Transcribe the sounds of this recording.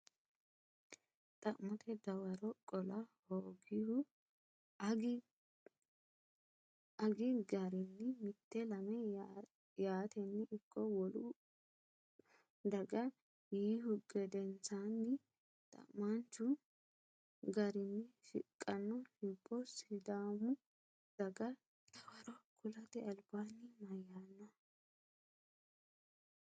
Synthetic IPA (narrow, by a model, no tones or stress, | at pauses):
t̪ʼɐʔmɔt̪ʰɛd̪ɐwɐɾɔkʼɔlɐhoːɡɪhʊ | ɐɡɪɡɐɾɪnːɪmɪt̪ːɛlɐmɛ | jaːt̪ɛnːɪɪkːɔwɔlʊ | d̪ɐɡɐ | jiːɦʊɡɛd̪ɛnt͡sanːɪ | t̪ʼɐ̰mmːant͡ʃːʊ | ɡɐɾɪnːɪʃɪ̰kʼːɐnːɔhɪbːɔsɪd̪aːmʊ | d̪̥ɐɡɐ | t̪ɐwɐɾɔkʊlɐt̪ɪɐlbaːnːɪmɐjːaːnːɐ